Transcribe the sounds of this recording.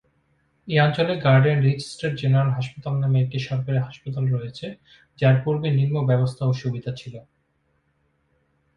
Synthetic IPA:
eant͡ɕoleɡaɾɖenɾid͡ʑisʈeɾd͡ʑeneɾalɦaʃpat̪alnameek̚ʈiʃɔɾkaɾeɦaʃpat̪alɾɔet͡ɕʰe | d͡ʑaɾpuɾminiɾmobɛbost̪ʰaoʃubid̪ʱat͡ɕʰilo

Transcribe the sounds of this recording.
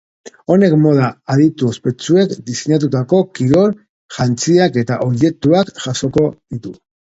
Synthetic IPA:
o̞ne̞kmo̞ð̞aaðit̪uospe̞t͡sue̞kd̪iseɲat̪̬ut̪ako̞kiɾo̞ɾ | ʝant͡siake̞t̪aʔoje̞k̚t̪uakʝaʃo̞ko̞ðit̪u

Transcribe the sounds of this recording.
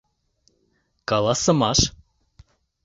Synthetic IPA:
kɑlˠɑsɤ̆mɑʃ

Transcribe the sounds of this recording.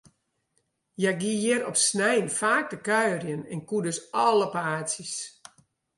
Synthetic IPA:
jaɡijɛɾɔpsnɛjnfaːk̚dəkœɥrjənɛnkudøsɔləpaːsis

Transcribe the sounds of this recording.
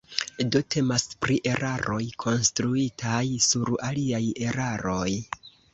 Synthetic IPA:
dotʰe̞maspɾiʔe̞ɾʔaɾo̞jkʰo̞nstɾuitʰajsuɾaliaje̞ɾaɾo̞j

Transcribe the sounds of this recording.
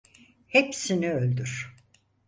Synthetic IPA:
hepsiniølʲd̪yɾ̥

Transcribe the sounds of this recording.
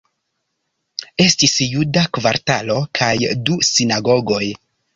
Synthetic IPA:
e̞stisjudakva̰ɾtalo̞kʰajdusinaɡo̞ɡo̞j

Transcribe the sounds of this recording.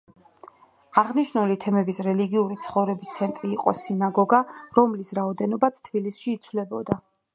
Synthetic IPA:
aʁniʃnulit̪ʰɛmɛbisɾɛliɡiuɾit̪sʰχɔvɾɛbist̪sʰɛnt̪ʼɾiːqʼɔsinaɡɔɡaɾɔmlisɾaɔd̪ɛnɔbat̪sʰt̪ʰbilisʃiːt̪sʰvlɛbɔd̪a

